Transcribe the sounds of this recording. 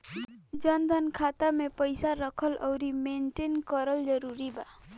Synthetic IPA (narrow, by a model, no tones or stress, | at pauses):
d͡zʌnd̪ʱʌnkʰat̪amepʌjsaɾʌkʰʌlʔʌwɾimenʈenkʌɾʌld͡zʌɾuɾiba